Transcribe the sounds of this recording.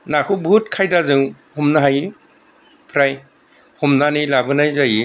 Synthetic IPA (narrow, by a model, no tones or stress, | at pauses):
nakʰɯbʱut̚kʰajdazɯŋ | humnaɦaji | pʰɾaj | humnanilabɯnajzaji